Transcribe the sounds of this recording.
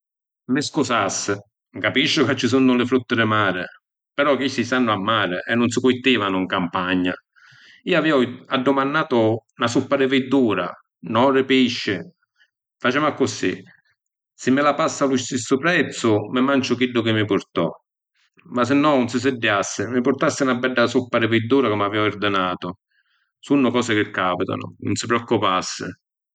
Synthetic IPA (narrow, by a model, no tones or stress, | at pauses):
mɪskusasːɪ | kapiʃːʊkat͡ʃːɪs̬unːʊlɪfɾut̪ːɪɾɪmaːɾɪ̰ | pɛɾɔkisisanːʊamːaːɾɪʔɛnːʊns̬ɪkuit̪ːiːvanʊiŋkampaɲːa̰ | iːaviːɔadːʊmanːaːt̪ʊnasupːaɾɪvɪd̪ːuːɾa̰ | nɔrːɪpiʃːɪ | fat͡ʃɪmakːʊsḭ | sɪmːɪlapasːalust̪isːʊpɾɛt̪sʊmɪmant͡ʃʊkilːʊkɪmːɪpʊɾt̪ɔ̰ | mas̬ɪnːɔnʊns̬ɪs̬ɪdːjasːɪmɪpʊɾt̪asːɪnabːɛɖːasupːaɾɪvɪd̪ːuːɾakʊmːaviɔird̪ɪnaːt̪ʊ | sunːʊkɔːsɪkɪkːaːpit̪a̰nʊ̰nʊ̰nsɪpɾɔkːʊpasːɪ̰